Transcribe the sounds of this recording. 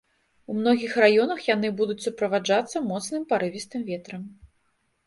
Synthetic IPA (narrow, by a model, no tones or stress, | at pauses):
umnɔɣʲixrajɔnɐxjanɨbud̪ut͡sʲsupɾɐvad͡ʐat̪sːɐmɔt̪snɨmpaɾɨvʲist̪ɨmvʲɛt̪ɾɐm